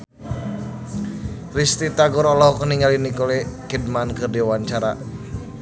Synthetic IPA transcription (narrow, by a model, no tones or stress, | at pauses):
rist̪it̪aɡɔɾɔlɔɦɔkəniŋalinikolɛkid̚mankɨrdiwaɲt͡ʃaɾa